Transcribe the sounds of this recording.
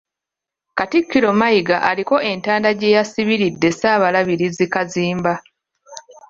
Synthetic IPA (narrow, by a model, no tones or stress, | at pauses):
katikːiɾo̞majiɡaʔaliko̞e̞ntaːndaɟe̞jasiβiɾidːe̞saːβalaβiɾizikaziːmba